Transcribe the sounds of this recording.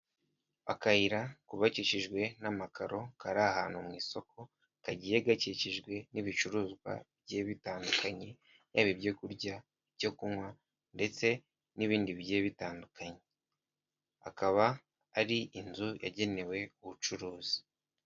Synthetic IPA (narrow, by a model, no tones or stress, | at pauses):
a̰kaiɾakuβaciʃiʒɡwe̞namakʰaɾo̞kaɾahaːnhumŋiːso̞kʰo̞ | kaɟijeɡaciciʒɡwe̞niβit͡ʃuɾuːzɡwa̰bɟeβitaːndukaɲe̞ | jaβibɟo̞kuɾɟa | bjo̞kumŋwa | nde̞t͡se̞ | niβiːndiβje̞ːβitaːndukʰaɲe̞ | akaβaː | ɾiʔinzuja̰ɟe̞ne̞we̞uβut͡ʃuɾuːzi̥